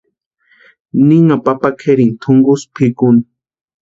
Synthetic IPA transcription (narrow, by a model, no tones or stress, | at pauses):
niŋapapakʰeɾɪŋt̪ʰʊŋɡʊspʰɪkʊni